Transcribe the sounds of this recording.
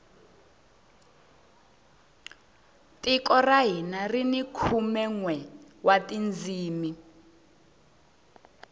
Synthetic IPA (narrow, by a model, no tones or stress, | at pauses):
tikɔraɦinarinikʰumɛŋwɛwatʼind͡ziːmi